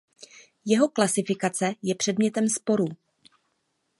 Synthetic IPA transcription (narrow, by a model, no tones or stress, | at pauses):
jɛɦo̞klasɪfɪkat͡sɛjɛpr̝̥ɛdmɲɛt̪ɛmspo̞ɾu